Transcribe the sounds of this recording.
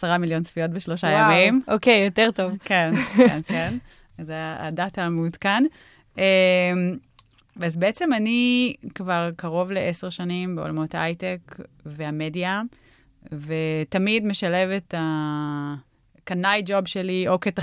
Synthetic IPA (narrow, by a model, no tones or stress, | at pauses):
asaʁamiljo̞nsfijo̞tbeʃlo̞ʃajamimʔokejoteʁtovkennken | aza̰ːdatamudkan | em | vazbeet͡se̞manikvaʁkaʁo̞vleʔeseʁʃanimbeolamo̞taajtek | veamedja | vetamidme̞ʃale̞veta | kanajd͡ʒobʃelio̞keta